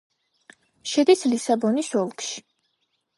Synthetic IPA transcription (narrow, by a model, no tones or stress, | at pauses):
ʃɛd̪islisabɔnisɔlˠkʃi̥